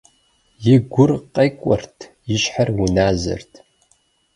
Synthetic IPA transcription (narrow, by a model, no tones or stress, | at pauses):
jɪɡʷʊrqɐjkʷʼɔrtʰ | jɪʃħarwʊnaːzɐ̰rtʰ